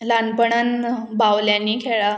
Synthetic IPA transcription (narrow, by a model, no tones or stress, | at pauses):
lanpəɳan | bawljãnːiːkʰeɭa